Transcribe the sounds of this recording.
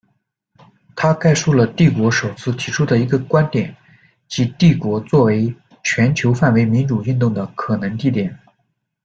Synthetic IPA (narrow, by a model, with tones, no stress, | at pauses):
t̪ʰa˥ka˥˧ɪʂu˥˩lə˩t̪i˥˩kwɔ˧˥ʂo˨˩ʊt͡sʰɹ̩˥˩t̪ʰi˧˥ʈ͡ʂʰu˥d̪ə˨i˧˥ɡə˧kwa˥nt̪jɛ̰˨˩˦n | t͡ɕi˧˥t̪i˥˩kwɔ˧˥t͡swɔ˥˩we˧˥ɪ | t͡ɕʰɥɛ˧˥nt͡ɕʰjo˧˥ʊfa˥˩nwe˧˥ɪmi˧˥nʈ͡ʂu˨˩y˥˧nt̪ʊ˥˩ŋd̪ə˩kʰɤ˨˩nɤ˧˥ŋt̪i˥˩t̪jɛ˨˩˦n